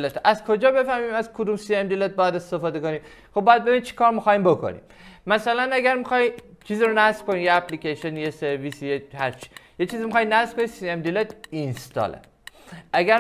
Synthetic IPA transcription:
let̪ʔæzkʰod͡ʒɒːbe̞fæhmiːmæzkʰod̪umsiemd̪ilet̪̚bɒːjæd̪e̞st̪e̞fɒːd̪e̞ko̞niːm | xobːɒjæd̪̚be̞binimt͡ʃʰi̥kʰɒːɾmixɒːjiːmbo̞kʰo̰nḭm | mæsælænæɡæɾmixɒːji | t͡ʃʰiːziɾonæsb̥kʰo̞nijeæpʰlikeʃonijeseɾvisijehæɾt͡ʃʰi̥jet͡ʃʰiːzimixɒjnæsb̥kʰonisiemd̪ilet̪inst̪ɒ̰lḛ | ʔæɡæɾ

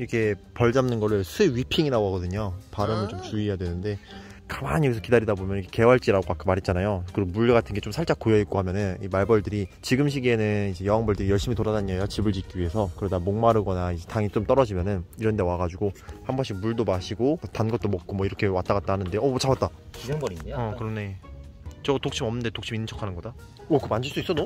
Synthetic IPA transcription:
iɾʌkʰe̞pʌɭd͡ʑamnɯnɡʌɾɯɭsʰɯɥipʰiŋiɾaɡoɦaɡʌdɯɲopaɾɯmɯɭt͡ɕomt͡ɕuijadwe̞nɯnde̞ | kḁmaɲijʌɡesʰkidaɾidabomjʌnikʰe̥ke̞ʌɦaɭt͡ɕ͈iɾaɡokakʰɯmaɾɦit̚t͡ɕanajokɯɾʌmuɭːiɡatʰɯnɡe̞t͡ɕ͈omsʰaɭt͡ɕ͈ak͈ojʌik͈ohamjʌnɯnimaɭbʌɭdɯɾit͡ɕiɡɯmɕ̬ʰiɡenɯnid͡ʑe̞jʌɦaŋbʌɭdɯɾijʌɭɕ͈imitoɾanaɲiajot͡ɕibɯɭd͡ʑik̚k͈iɥiɦe̞sʰʌkɯɾʌdamoŋmaɾɯɡʌnaid͡ʑe̞taŋit͡ɕomt͈ʌɾʌd͡ʑimjʌnɯniɾʌnde̞waɡad͡ʑuɡohambʌɕʰimuɭdomaɕʰiɡotanɡʌt͈omʌk̚k͈omwʌiɾʌkʰe̞wat͈aɡat̚t͈ahanɯnde̞ʌt͡ɕabat͈a | iŋiʌkɯɾʌmne | t͡ɕʌtok̚ɕ͈ʰimʌmnɯnde̞tokɕʰiminːɯnt͡ɕʰʌkʰanɯnɡʌda | ʌkɯmand͡ʑɯɭs͈uis͈ʌdo

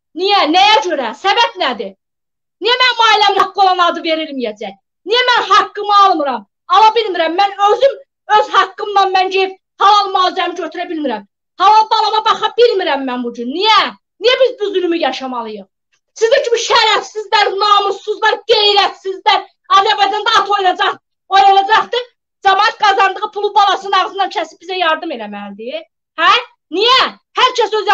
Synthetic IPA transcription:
nijænæjæd͡ʒø̞ɾæsæbæbnæd̪i | nijæmænmɑilæmnɑkːɯolˠɑnɑd̪ɯve̞ɾilmijæd͡ʒæj | nijæmænɦɑkːɯmɯɑlˠmɯɾɑm | ɑlˠɑbilmiɾæmːænøzym | øzhɑkːɯmd̪ɑnmænd͡ʒejip̚ | hɑlˠɑlˠmɑlˠɑzæmid͡ʒøt̪ʰyɾæbilmiɾæm | hɑlˠɑlˠb̪ɑlˠɑmɑbɑχɑbilmiɾæmːænbud͡ʒynːijæ | nijæbizbyzylymyjɑʃɑmɑlˠɯjɯχ | sizit͡ʃʰymiʃæɾæfsizd̪æɾnɑmusːuzlɑɾɡejɾæt̪sizd̪æɾ | ɑzæɾbɑjd͡ʒɑnd̪ɑɑt̪ʰo̞jnɑd͡ʒɑχ | ojnɑnɑd͡ʒɑχt̪ɯ | d͡ʒɑmɑːɑt̪̚ɡɑzɑnd̪ɯʁɯpʰulˠubɑlˠɑsɯnɑʁzɯmnɑnt͡ʃʰæsib̥izæjɑɾd̪ɯme̞læmænd̪i | hæ | nijæ | hæɾt͡ʃʰæsøz

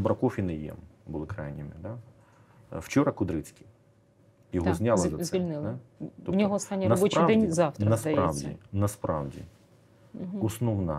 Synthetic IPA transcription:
bɾɐkɔfʲinɛjɛ̰mbʊlˠɪkɾɑjnʲɪmɪd̪a | wt͡ʃɔɾɐkʊd̪ɾɪt͡sʲkʲi | jɔɦɔzʲnʲalˠɐd̪ɐzʋɛilʲnɪlˠt̪ɔnʲɔɦɔɔst̪ɑnʲːinɐsbut͡ʃd̪ɛnʲzɑwt̪ɐɐspɾɑwdʲḭnɐspɾɑ̰wdʲḭ | ɔsnɔwnɐ

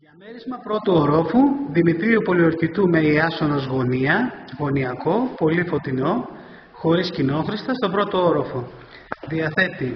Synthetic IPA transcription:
jɐmeɾizmɐpɾo̞t̪uoɾo̞fuðimit̪ɾiupo̞lioɾcit̪umeiɐsonozɣo̞niɐɣo̞niɐko̞po̞lifo̞t̪ino̞ | xo̞ɾiscino̞xɾist̪ɐst̪o̞bɾo̞t̪ooɾo̞fo | ðiɐθe̞t̪i

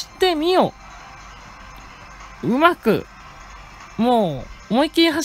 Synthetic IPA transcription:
i̥t̪e̞mʲio | ɯ̟makɯ̟̰ | moːomoikʲiɦa

